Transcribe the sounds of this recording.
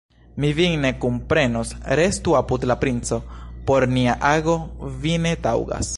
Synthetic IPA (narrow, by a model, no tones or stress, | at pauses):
miviŋne̞kumpɾe̞nosɾe̞stuapudlapɾint͡so̞po̞ɾniaʔaɡo̞vine̞tawɡa̰s